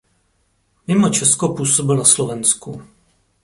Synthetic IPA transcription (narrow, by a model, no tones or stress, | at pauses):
mɪmo̞t͡ʃɛskopuːsobɪlnaslovɛnsku